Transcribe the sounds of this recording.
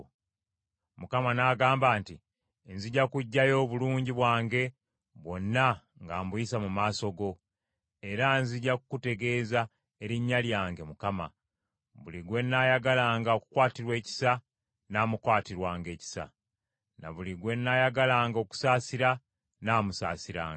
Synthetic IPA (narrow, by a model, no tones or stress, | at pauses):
mukamanaɡaːmbaːnti | nziɟakuɟːajo̞ːβuluːɲɟiβwaːŋɡe̞ | βwo̞nːa | ŋɡaːmbuisamumaːso̞ɡo̞ | e̞ɾanziɟːakukute̞ɡe̞ːza | e̞ɾiɲːaljaːŋɡe̞mukama̰ | βuliɡwe̞nːajaɡalaːŋɡaoku̥kwaːtiɾwe̞ːci̥sa | naːmukwaːtiɾwaːŋɡe̞ːci̥sa̰ | na̰βuliɡwe̞nːajaɡalaːŋɡo̞ku̥saːsiɾa | naːmusa̰ːsiɾa̰ːŋɡa